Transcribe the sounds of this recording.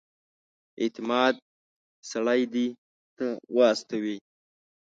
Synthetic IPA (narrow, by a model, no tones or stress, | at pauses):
ḛt̪ɪmɑːd̪̚ | saɽajd̪i | t̪əwaːst̪awi